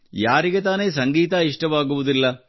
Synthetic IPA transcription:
jaːɾiɣɐt̪aːnesɐŋɡiːt̪aiʂʈɐmaːɣuʋɐðilːɐ

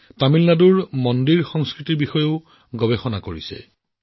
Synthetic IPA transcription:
tamilnaduɹmɔndiɹxɔŋskɹitiɹbixɔjoʊ | ɡɔbexɔnakoɹisɛ̰

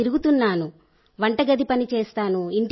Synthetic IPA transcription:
iɾuɡut̪unːaːnu | ʋɐɳʈɐɡɐd̪ipɐnit͡ʃeːst̪aːnuiɳʈ

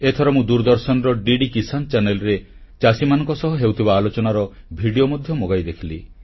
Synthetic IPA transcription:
et̪ʰɔɾɔmũd̪uɾd̪ɔɾsɔnɾɔɖiɖikisant͡ʃanelɔɾe | t͡ʃasimanɔ̃ŋkɔsɔɦɔɦewt̪ʰibaːlot͡ʃɔnaɾɔ | bʱiɽiomɔd̪ʱjɔmoɡajd̪ekʰili

